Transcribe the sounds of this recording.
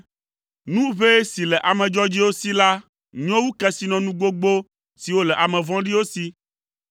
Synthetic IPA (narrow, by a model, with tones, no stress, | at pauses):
nũ˦βe˦si˨lɛ˨ʔa˨mɛ̃˨d͡ʒɔ˦d͡ʑi˦wo˦si˦la˦ | ɲ˦ɔ̃˦wu˦kɛ˦si˨˦nɔ̃˨nũ˦ɡo˦ɡ͡bo˦ | si˨wo˦lɛ˨ʔa˨mɛ̃˨vɔ̃˦ɖi˦wo˦si˦